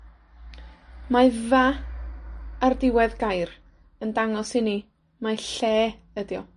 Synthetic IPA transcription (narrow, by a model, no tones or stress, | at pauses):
maɨva | rdɪwɛðɡajr | əndaŋɔshɪni | maɨɬɛː | ədjɔ